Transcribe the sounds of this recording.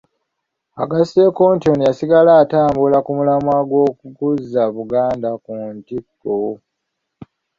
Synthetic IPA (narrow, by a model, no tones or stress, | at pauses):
a̰ɡasekontionijasiɡalaːtaːmbulakumulamwaɡwo̞ːkukuzːaβuɡaːndakuntikːo